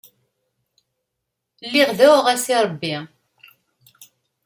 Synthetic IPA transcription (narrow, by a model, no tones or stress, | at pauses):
lːiʁðæwʁæsiɾˤəbːi